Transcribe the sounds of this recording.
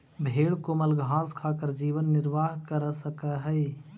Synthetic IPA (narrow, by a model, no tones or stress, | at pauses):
bʱeːɽkomɐlɡʱãːskʰaːkəɾd͡ʒiːʋənːɪɾʋaːɦkəɾsəkaɦɛ